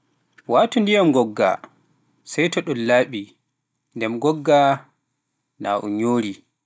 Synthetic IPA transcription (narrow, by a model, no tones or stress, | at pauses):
waːtɔndijamɡɔɡːa̰ | sɛjtɔɗɔnlaːɓi | ndɛmɡɔɡːa | na̰ʔɔ̰ɲoːɾi